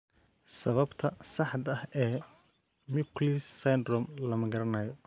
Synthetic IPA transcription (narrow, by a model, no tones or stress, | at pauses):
sɐβɐbt̪ʰɐsɑħd̪ɐhɛː | mɪkʰlisːɐjnd̪rɔːmlɐmɐɡɐɾɐnɐːjɔ